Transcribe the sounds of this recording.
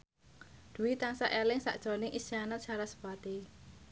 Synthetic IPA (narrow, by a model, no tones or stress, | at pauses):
d̪̥uwit̪aŋsaʔelɪŋsa̰ʔd̥ʒ̥ɔ̤nɪŋʔisanat̪̚t͡ʃaɾasə̥b̥at̪e